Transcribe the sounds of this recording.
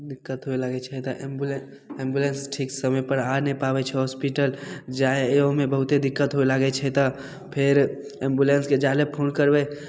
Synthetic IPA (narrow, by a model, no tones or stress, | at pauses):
d̪ɪkːət̪ɦoelaɡɛt͡ʃʰɛt̪əʔembul | ẽmbjulensʈʰiksəməjpəɾaɾnɛpabɛt͡ʃʰɛɦɔspiʈəld͡ʒaeɦõmebəɦut̪ed̪ɪkːət̪ɦoelaɡɛt͡ʃʰɛt̪ə | pʰeɾ | ẽmbjulensked͡ʒalepʰonkəɾbe